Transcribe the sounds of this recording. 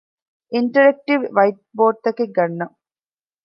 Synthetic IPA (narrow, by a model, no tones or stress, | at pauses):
iɳʈɐɾek̚ʈiʋʋɐjʈ̚boːɖ̚t̪ɐkeɡɐɳːɐ